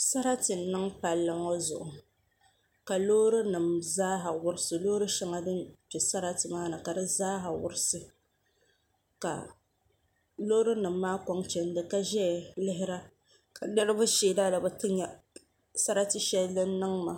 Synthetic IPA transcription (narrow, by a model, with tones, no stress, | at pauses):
sa˦ɾa˦tɨ˨nɨ˦ŋpa˨lːɨ˦ŋɔ˦zʊ̰˨ʔʊ˨ | ka˨loː˦ɾɨ˦nɨ˨mzaː˦ɦa˨wʊ˦ɾɨ˦sɨ˨loː˦ɾɨ˦ʃɛ˦ŋa˨dɨ˦nt͡ʃɛ˨sa˦ɾa˦tɨ˨maː˦nɨ˨ka˨dɨ˦zaː˦ɦa˨wʊ̰˦ɾɪ˦sɨ˨ | ka̰˨ | lo˦ɾɨ˦nɨ˨mːaː˦kɔ˦ŋt͡ʃɛ˦n˦dɨ˨ka˦ʒɛ˦˨lɪ˦ɦɪ˦ɾa˦ | ka˨nɛ˦ɾɨ˦bʊ˦ʃeː˨da˦da˨bɨ˨˦tɨ˦ɲɛ˨ | sa˦ɾa˦tɨ˨ʃɛ˦llːɨ˦n˦nːɨ˦ŋma˨